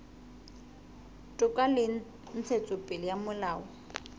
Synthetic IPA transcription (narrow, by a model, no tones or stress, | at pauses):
tʼʊkʼalɪ | n̩t͡sʰet͡sʼʊpʼɪlɪjamʊlaːɔ